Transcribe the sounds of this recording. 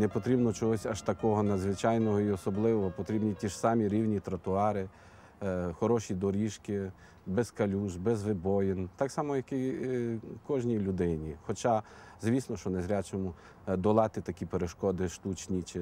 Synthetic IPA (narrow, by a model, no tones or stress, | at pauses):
nepɔt̪ɾʲibnɔt͡ʃɔɦɔsʲɐʃt̪ɐkɔɦɔnɐd̪zʋɪt͡ʃɑjnɔɦɔiɔsɔblˠɪʋɔɦɔpɔt̪ɾʲibnʲitʲiʒsɑmʲiɾʲiwnʲit̪ɾɐt̪ʊɑɾɪ | xɔɾɔʃʲid̪ɔɾʲiʃkɪ | bɛskɐlʲuʒbɛzʋɪbɔjɪnt̪ɑksɑmɔjɐki | kɔʒnʲilʲʊd̪ɪnʲixɔt͡ʃɑ | zʋʲisnɔʃt͡ʃɔnezɾʲat͡ʃɔmu | d̪ɔlˠɑt̪ɪt̪ɐkʲipeɾeʃkɔd̪ɪʃt̪ut͡ʃnʲit͡ʃɪ